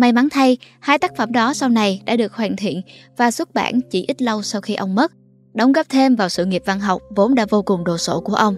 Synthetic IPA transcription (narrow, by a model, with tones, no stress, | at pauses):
ma˧˩jma˨˦nt̪ʰa˧j | haː˧jt̪aː˦˥k̚fə˧˩mɗɔ˨˦sa˧wna˨˩jɗa̰ː˧˥ɗɨ˨˩ək̚hwaː˧˨˩nt̪ʰḭ˧˨ənvaː˨˩swu˦˥t̚ɓa̰ː˧˩nt͡ɕḭ˧˩ʔi˦˥t̚lə˧wsa˧wxi˧ʔə˧wŋ͡mmə˦˥t̚ | ɗə˨˦wŋ͡mɣə˦˥p̚t̪ʰe˧mvaː˨˩wsɨ̰˧˨ŋi˨˩əp̚va˧nɦa˨˩wk͡p̚vo˨˦nɗa̰ː˧˥vo˧kʊ˨˩ŋ͡mɗo˨˩so˧˩ku˧˩əʔə˧wŋ͡m